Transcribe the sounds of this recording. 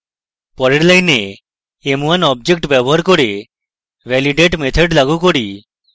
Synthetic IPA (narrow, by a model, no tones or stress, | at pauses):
pɔɾeɽlajneː | muanɔb̚d͡ʒek̚ʈbjɛbɔɦaɾkɔɾe | ʋɛliɖeʈmet̪ʰɔɖlaɡukɔɽi